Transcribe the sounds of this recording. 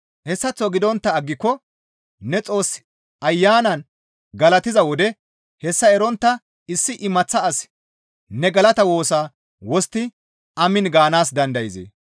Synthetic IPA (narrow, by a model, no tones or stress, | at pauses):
hɛsːɐt͡sːɔɡɪd̪ɔnt̪ːɐːɡːɪkːɔ | nɛt͡sʼo̞ːs | ɐjːaːnɐn | ɡɐlɐt̪ɪzɐwɔd̪ɛ | hɛsːɐɛɾɔnt̪ːɐ | ɪsːɪʔɪmɐt͡sːɐɐs | nɛɡɐlɐt̪ɐwo̞ːsaː | wɔst̪ːɪ | ɐmɪnɡaːnaːsd̪ɐnd̪ɐjɪzḛː